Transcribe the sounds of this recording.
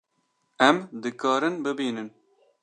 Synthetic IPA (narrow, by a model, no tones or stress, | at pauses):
ɛmd̪ɨkɑːɾɨnbɨbiːnɨn